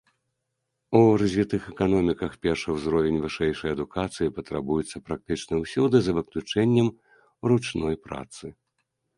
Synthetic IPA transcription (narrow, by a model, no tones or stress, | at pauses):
urɐzʲvʲit̪ɨxɛkan̪ɔmʲikɐxpʲɛrʂɨwzɾɔvʲenʲvɨʂɛjʂɐjɐd̪ukʰat̪sɨjipɐt̪ɾabujut̪sːɐpɾak̚t̪ɨt͡ʂnɐwsʲud̪ɨzɐvɨklʲut͡ʂɛnʲːɐm | ɾut͡ʂnɔjpɾa̰t̪sɨ